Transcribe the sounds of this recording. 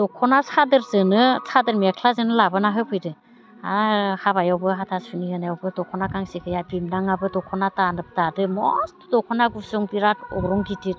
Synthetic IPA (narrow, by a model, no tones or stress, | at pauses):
d̥ɔkʰɔnasʰadɯɾzɯnɯsʰadɯɾmiakʰlazɯnɯlabɯnaɦɯpʰɯjdɯ | ahabajawbɯɦatʰasunihɯnajawbɯdɔkʰɔnakaŋsikʰɯjabimnaŋabɯdɔkʰɔnatanɯp̚tadɯmɔ̰stdɔkʰɔnaɡusɔŋtiɾatɔ̰ɡɾɔŋɡitit̚